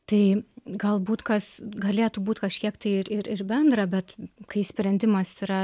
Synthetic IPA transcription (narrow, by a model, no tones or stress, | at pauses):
t̪ɐɪɡɐlˠbuːt̪kɐsɡɐlʲeːt̪ubuːt̪kɐʃʲkʲiɛkt̪ɐɪɪɾɪɾɪɾbʲɛnd̪ɾɐbʲɛt̪kɐɪsʲpʲɾʲɛnʲd̪ʲɪmɐsiɾɐ